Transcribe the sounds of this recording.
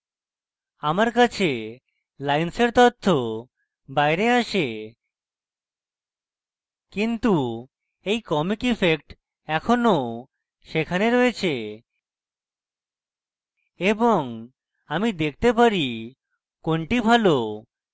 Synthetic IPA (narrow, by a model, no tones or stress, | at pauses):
amaɾkat͡ɕʰe | lajnseɾt̪ɔt̪ʰːo | bajɾeaʃe | kint̪u | ejkɔmikifek̚ʈ | ɛkʰono | ʃekʰaneɾoet͡ɕʰe | eboŋ | amid̪ek̚ʰt̪epaɾi | koɳʈibʱalo